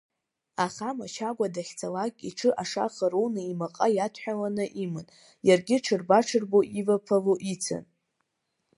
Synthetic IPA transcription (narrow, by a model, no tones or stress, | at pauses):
aχamat͡ʃʰaɡʷadaχʲt͡sʰalakʲʼiʈ͡ʂʰɨʔaʂa̰χəɾownɨimaqʼajatʷʰħʷᶣalanɨʔimɨn | jarɡʲɪʈ͡ʂʰɨrbaʈ͡ʂʰɨrboʔivapʰavoʔit͡sʰɨ̰n